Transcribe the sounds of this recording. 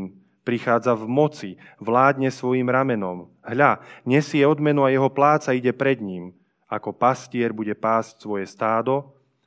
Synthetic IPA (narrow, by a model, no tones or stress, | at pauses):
pɾixaːd͡zavmɔt͡si | ʋlaːd̪ɲɛsʋɔjiːmɾamɛnɔm | ɦʎaɲɛsɪɛɔd̪mɛnuajɛɦɔplaːt͡saiɟɛpɾɛd̪ɲiːm | akɔpascɪɛɾbuɟɛpaːscsʋɔjɛst̪aːd̪ɔ